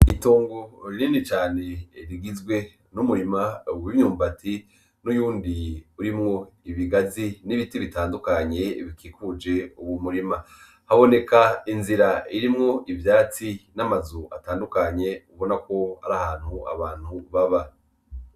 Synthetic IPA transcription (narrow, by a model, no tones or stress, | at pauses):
itoːŋɡoɾininit͡ʃaːne̞ɾiɡizɡwe̞ | numuɾimauwivɲuːmbati | nujuːndiuɾimŋo̞ | iβiɡaziniβitiβitaːndukaɲe̞βikikud͡ʒe̞uβumuɾima | haβo̞ne̞kainziɾaiɾimŋo̞ʔivjaːt͡sinamazua̰taːndukaɲe̞uβo̞nako̞ha̰ɾahaːn̥hua̰βaːn̥huβaβa